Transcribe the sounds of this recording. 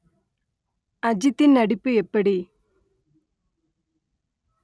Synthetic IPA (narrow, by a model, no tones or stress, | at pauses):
ɐd͡ʑit̪ːinnɐɽipːɯɛpːɐɽi